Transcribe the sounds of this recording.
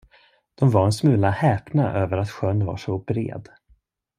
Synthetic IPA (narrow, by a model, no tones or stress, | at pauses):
d̪̥ɔmvaɾɛnsmʉ̟ːlahɛːpnaʔøːvəɾat̪ɧœnːva̰ʂɔbɾḛːd̪